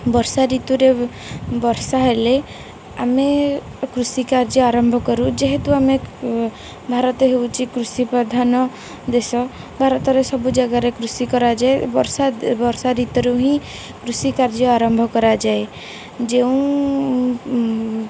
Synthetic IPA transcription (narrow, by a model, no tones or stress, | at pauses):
bɔɾsaɾit̪uɾe | bɔɾsaɦele | ame | kɾusikaɾd͡ʒɔaɾɔmbʱɔkɔɾũd͡ʒeɦet̪uame | bʱaɾɔt̪ɔɦewt͡ʃʰikɾusipɾɔd̪ʱanɔ | d̪esɔ | bʱaɾɔt̪ɔɾesɔbud͡ʒaɡaɾekɾusikɔɾad͡ʒaebɔɾsabɔɾsaɾit̪ɔɾeuɦĩ | kɾusikaɾd͡ʒɔaɾɔmbʱɔkɔɾad͡ʒae | d͡ʒeũ